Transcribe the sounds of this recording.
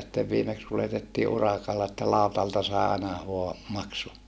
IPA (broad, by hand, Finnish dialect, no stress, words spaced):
sitːeʋ ʋiːmeks kuletetːiː ʔurɑkɑlːɑ etːæ lɑˑu̞tɑltɑ sɑˑi̯ ɑenɑ ʋoɑ mɑksu